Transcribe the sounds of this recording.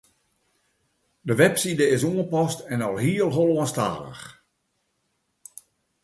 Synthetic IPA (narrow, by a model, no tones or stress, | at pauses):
dəʋɛpsidəɪsuənpɔstɛnɔlˠɦiəlˠɦolˠoənsta̰ːlə̰x